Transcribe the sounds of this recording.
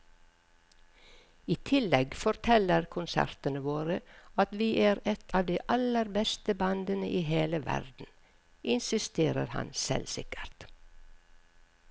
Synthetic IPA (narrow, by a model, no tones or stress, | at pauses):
iːt̪ʰɪlɛɡfɔɾt̪ʰɛləɾkʰʊnsæ̰ɾt̪ənəʋoːɾəɑt̪ʋiːʔæːɾɛt̪ʰɑːʋd̪iːʔɑləɾbɛst̪əbɑnd̪ənəʔiːheːləʋæ̰ɾd̪n̩ | ʔɪnsɪst̪eːɾə̰ɾhɑ̰nsɛ̰lsɪ̰kə̥ɾt̪